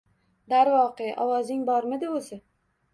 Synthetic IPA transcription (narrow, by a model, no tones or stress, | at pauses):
d̪aɾvɒqeʔɒwɒzɪŋbɒɾmɪd̪ɪosɪ